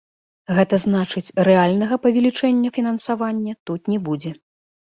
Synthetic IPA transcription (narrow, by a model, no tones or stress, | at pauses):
ɣɛt̪ɐzn̪at͡ʂɨt͡sʲrɛalʲnɐɣɐpɐvʲɛlʲit͡ʂɛnʲːɐfʲinɐnsavanʲːɐt̪ut̪nʲɛbud͡zʲɛ